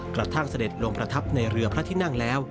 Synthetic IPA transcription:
kɾa˨˩t̪ʰa˥˩ŋsa˧de˨˩t̪̚lo˧ŋpɾa˧t̪ʰa˦˥p̚na˧jɾɯ˧ɐpʰɾa˦˥t̪ʰiː˥˩na˥˩ŋlɛː˦˥w

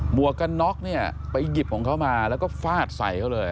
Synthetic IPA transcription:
mu˨˩˦ɐka˧nːɔ˦˥k̚ni˥˩ɐpa˧jːi˨˩p̚kʰɔː˨˩˦ŋkʰa˦˥˩wmaː˧lɛː˦˥wkɔː˥˩faː˥˩t̪̚sa̰˨˩˦jka˥˩wlɤː˧j

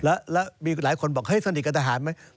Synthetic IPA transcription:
lɛ˦˥lɛː˦˥miː˧laː˨˩˦jkʰo˧nbɔː˨˩k̚ha˥˩jsa˧ni˨˩ka˧nt̪a˧ɦaː˨˩˦nma˦˥j

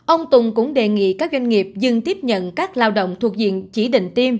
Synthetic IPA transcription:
ʔə˧wŋ͡mt̪ʊ˨˩ŋ͡mkʊ̰˧˥ŋ͡mɗe˨˩ŋḭ˧˨kaː˦˥k̚zwa˧jŋ̟ŋi˨˩əp̚zɨ˧ŋt̪i˦˥əp̚ɲə̰˧˨nkaː˦˥k̚laː˧wɗə̰˧˨wŋ͡mt̪ʰu˨˩ək̚zḭ˧˨ənt͡ɕi˧˩ɗḭ̈˧˨ŋ̟t̪i˧m

